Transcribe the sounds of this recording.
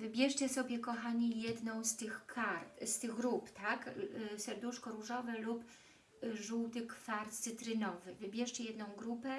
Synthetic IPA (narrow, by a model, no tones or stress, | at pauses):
vɘbʲjɛʂt͡ɕɛsɔbʲjɛkɔxaɲijɛd̪nɔ̃w̃st̪ɘxkʰaɾt̪st̪ɘɣɡɾupt̪aksɛɾd̪uʂkɔɾuʐɔvɛlup | ʐuwt̪ɘkfaɾt̪sɘt̪ɾɘnɔvɘvɘbʲjɛʂt͡ɕɛjɛd̪nɔ̃w̃ɡɾupɛ